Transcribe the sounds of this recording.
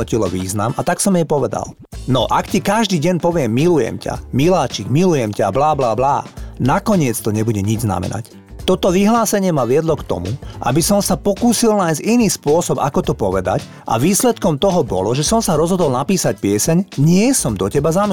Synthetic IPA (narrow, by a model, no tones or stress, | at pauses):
ɔcilɔʋiːzna̰mat̪aksɔmjɛpɔʋɛd̪a̰l | nɔ̰ʔakcikaʒd̪iːɟɛɲpɔʋɪɛmːilujɛ̰mca̰milaːt͡ʃiɡmilujɛmcablaːblaːbla̰ːnakɔɲɪɛt͡st̪ɔɲɛbuɟɛɲid͡ʒzna̰mɛ̰na̰c | t̪ɔt̪ɔʋiɦlaːsɛɲɪɛmaʋɪɛd̪lɔkt̪ɔ̰mṵʔa̰bisɔmsapɔkuːsilnajziniːspʊɔsɔba̰kɔt̪ɔpɔʋɛd̪a̰c | ʔa̰ʋiːslɛt̪kɔmt̪ɔɦɔbɔ̰lɔʒɛsɔmsaɾɔzɦɔd̪ɔlnapiːsac̚pɪɛsɛɲɲɪɛsɔmd̪ɔcɛbazam